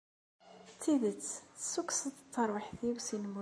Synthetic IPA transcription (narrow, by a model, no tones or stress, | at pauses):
t͡sːiðət͡sːθsuksəðt͡s̪ːəɾˤwəħθiwsinmu